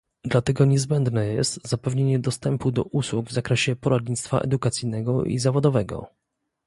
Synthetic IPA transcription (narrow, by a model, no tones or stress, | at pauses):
d̪lat̪ɛɡɔɲɛzbɛnd̪nɛjɛ̰st̪zapɛvɲeɲɛd̪ɔst̪ɛmpud̪ɔʔuswuɡvzakɾɛɕɛpɔɾad̪ɲit̪st̪fa̰ʔɛ̰d̪ukat̪sijnɛɡɔʔḭzavɔd̪ɔvɛɡɔ̰